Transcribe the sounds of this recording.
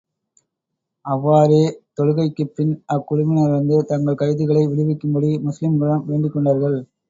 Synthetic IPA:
ɐʋːaːɾeːt̪ɔɻɯɣɐɪkːɯpːɪnʔɐkːʊɻʊmɪnɐʋɐnd̪ɯt̪ɐŋɡɐɭkɐɾɪðɪɣɐɭɐɪʋɪɻɪʋɪkːɯmbɐɽimʊslɪmɡɐɭɐmʋeːɳɖɪkːɔɳɖaːɾɣɐɭ

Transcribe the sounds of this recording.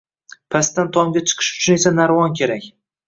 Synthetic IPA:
pʰast̪ant̪ʰɒmɡʲat͡ʃʰɨ̥qʰɨ̥ʃʊ̥t͡ʃʰʊne̞sanaɾvɒnkʲʰe̞ɾakʲ

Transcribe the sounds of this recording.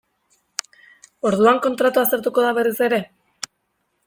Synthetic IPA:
o̞ɾðuaŋko̞nt̪ɾat̪uast̪e̞ɾt̪uko̞ðaβerise̞ɾe̞

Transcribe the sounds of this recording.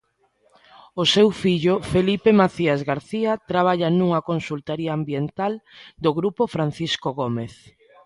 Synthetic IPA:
osewfiʎʊfelipemaθiazɣaɾθiat̪ɾaβ̞aʎanuŋɐkonsult̪aɾiaːmbjent̪ald̪oɣɾupofɾan̟θiskoɣomeθ

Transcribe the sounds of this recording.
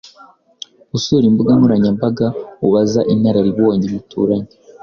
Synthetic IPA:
usuɾimbuɡamuɾaɲambaɡauβazaʔinaɾaɾiβoːɲemutʰṵːɾaɲi

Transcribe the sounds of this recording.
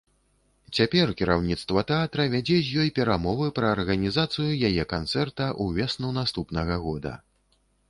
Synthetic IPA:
t͡sʲapʲɛrkʲiɾawnʲit̪st̪vɐt̪ɛat̪ɾɐvʲad͡zʲɛzʲjɔjpʲɛɾamɔvɨpɾɐːrɣɐnʲizat̪sɨjujajɛkant̪sɛrt̪ɐʔuvʲɛsnuwnast̪upnɐɣɐɣɔd̪ɐ̰

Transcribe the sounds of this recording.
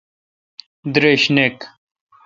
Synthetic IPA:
d̪ɾeːɕnek

